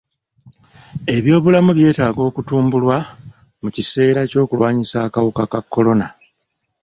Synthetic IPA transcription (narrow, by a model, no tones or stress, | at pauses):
e̞βjo̞ːβulamuβje̞ːtaːɡo̞ːkutuːmbulwa | mucise̞ːɾaco̞ːkulwaːɲisaːkawukakakːo̞lo̞na